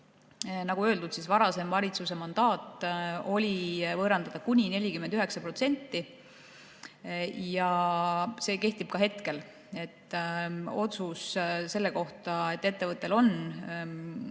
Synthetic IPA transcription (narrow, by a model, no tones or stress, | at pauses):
nɑɡ̥uø̞ːld̪ud̪̥sisvɑɾɑse̞mvɑɾʲit̪suse̞mɑnd̪̥ɑːt̪ːˑo̞lʲivɤːɾɑnd̪ɑd̪̥ɑkunʲine̞lʲikymːend̪yɦe̞ksɑpro̞t̪se̞nʲt̪ːi | jɑ | se̞ːke̞ht̪ib̥kɑɦe̞t̪ke̞l | e̞t̪ː | o̞t̪susse̞lːe̞ko̞ht̪ɑe̞t̪ːˑet̪ːe̞vɤt̪ːˑe̞lo̞n